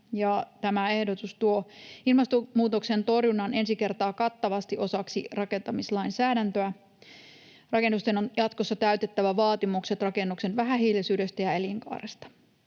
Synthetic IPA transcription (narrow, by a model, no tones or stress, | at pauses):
jɑt̪æmæe̞hdot̪ust̪uoilmɑst̪omuːt̪okse̞nt̪o̞rjunɑne̞nsike̞rt̪ɑːkɑt̪ːɑʋɑst̪iʔo̞sɑksirɑke̞nt̪ɑmislɑjnsæːɾænt̪øæ | rɑke̞nːust̪enonjɑt̪kosːɑt̪æyt̪et̪ːæʋæʋɑːt̪imukset̪rɑkenːukse̞nʋæɦæɦiːlisyːdø̞st̪æjɑeliŋkɑ̰ːrest̪ɑ̥